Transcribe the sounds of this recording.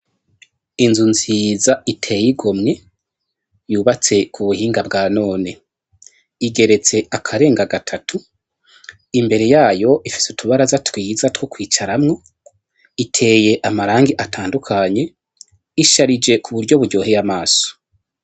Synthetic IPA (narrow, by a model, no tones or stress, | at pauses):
inzunziːzaitʰe̞jiɡo̞mɲe̞ | juːβat͡se̞kʰuβuhiːŋɡabɡaːno̞ːne̞ | iɡe̞ɾe̞t͡se̞ʔakʰaɾe̞ːŋɡaɡatʰatʰu | imbe̞ɾe̞jaːjo̞ʔifi̥sutʰuβaɾazatwiːzatwokwiːt͡ʃaɾamŋo̞ | itʰe̞ːje̞ʔamaɾaːŋɡiʔatʰaːndukʰaɲe̞ | iʃaɾid͡ʒe̞kʰuβuɾɟo̞βuɾɟo̞ːɦejamaːso̥